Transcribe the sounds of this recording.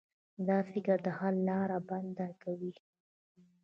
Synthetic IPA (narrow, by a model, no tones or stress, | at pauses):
d̪ɑfɪkəɾd̪əhalːɑɾaband̪akawi